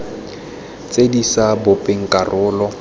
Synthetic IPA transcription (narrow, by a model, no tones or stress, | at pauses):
t͡sʼedisabʊpʼɪŋ̩kʼarʔʊːlɔ